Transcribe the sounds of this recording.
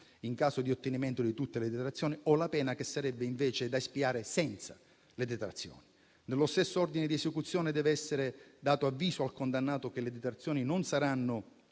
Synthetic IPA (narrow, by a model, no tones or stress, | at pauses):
iŋkaːsod̪iot̪ːenimɛnt̪od̪it̪ut̪ːeled̪et̪ɾat̪sːjoːniɔlapɛːnakesːaɾɛbːeiɱveːt͡ʃed̪aespiaːɾesɛnt̪sḁ̰ | led̪et̪ɾat̪sːjo̰ːni | nelːost̪esːoɔrd̪ined̪iesekut̪sːjɔːned̪ɛːveɛsːeɾed̪aːt̪oavːiːsoalkond̪anːaːt̪ok̟eled̪et̪ɾat̪sjɔːninonsaɾanːo